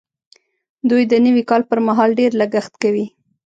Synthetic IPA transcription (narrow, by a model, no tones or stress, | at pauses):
d̪ujd̪ənəwikɑlpəɾmaɦɑlɖeɾlaɡaxt̪kawi